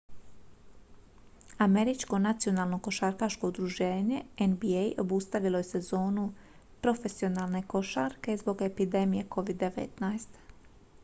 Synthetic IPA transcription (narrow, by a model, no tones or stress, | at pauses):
ame̞ɾit͡ʃko̞nat̪sijo̞naːlˠno̞ko̞ʃaɾkaːʃkoud̪ɾuʒe̞ːɲe̞enbiejʔo̞bust̪aʋilˠo̞jese̞zo̞ːnu | pɾo̞fe̞sio̞naːlˠne̞ko̞ʃaɾke̞zbo̞ɡe̞pid̪e̞mije̞ko̞ʋid̪ːe̞ʋḛt̪najest̪